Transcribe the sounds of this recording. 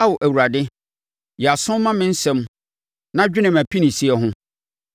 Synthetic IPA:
a˦wɔ˨ʔæ˨wu˨ɾa˨dɪ˦ | jɛ˨a˨sʊ̃˦mã˦mɪ̃˦n̩˦sɛ̃˦m | nã˦d͡ʑᶣɪ˦nɪ̃˨mæ˨pʰi˦nĩ˨si˦ɛ˨ɦʊ̃˦

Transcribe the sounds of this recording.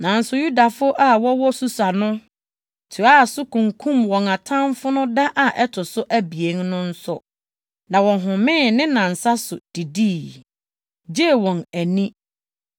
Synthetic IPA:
nã˨n̩˦sʊ˦ju˦da˨fʊ˦ʔa˦wɔ˦wɔ˦su˨sa˨nʊ̃˦ | tʰu˨a˦˨sʊ˦kʰũ˨ŋkʰũ˦˨mwɔ̃˨ŋa˨tʰã˦mfʊ˦nʊ̃˦da˦ʔa˨ʔɛ˦tʰʊ˨sʊ˦ʔæ˦bi˨e˦ŋnʊ̃˦n̩˦sʊ˨ | nã˨wɔ̃˨ɦʊ̃˨mɪ̃˦˨nɪ̃˦nã˨n̩˨sa˦sʊ˨d̥i˨diː˦˨ | d͡ʑe˦˨wɔ̃˨næ˨nĩ˦

